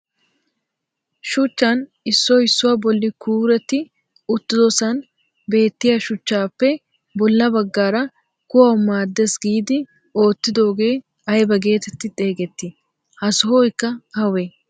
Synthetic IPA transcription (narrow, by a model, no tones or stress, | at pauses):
ʃʊt͡ʃːɐn | ɪsːɔɪsːʊwabɔlːɪkuːɾɛt̪ːɪ | ʊt̪ːɪd̪ɔsɐn | be̞ːt̪ːɪjɐʃʊt͡ʃːaːpːɛ | bɔlːɐbɐɡːaːɾɐ | kʊwɐwmaːd̪ːesɡiːd̪ɪ | o̞ːt̪ːɪd̪o̞ːɡe̞ː | ɐjbɐɡe̞ːt̪ɛt̪ːɪt̪ʼe̞ːɡɛt̪ːɪ | hɐsʊɦoːjkːɐhɐwe